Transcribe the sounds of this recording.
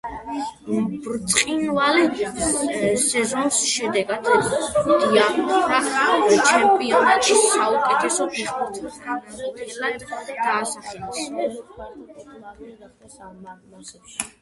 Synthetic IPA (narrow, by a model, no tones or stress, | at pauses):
bɾt̪sʼqʼinvalɛ | sɛzɔnsʃɛd̪ɛɡad̪d̪iaaχat͡ʃʰɛmpʼiɔnat̪ʼʃisːaukʼɛt̪ʰɛsɔbiɔɾt̪ʰsɡanad̪ɛlad̪d̪̥aːsaχɛlɛs | aaɛʃ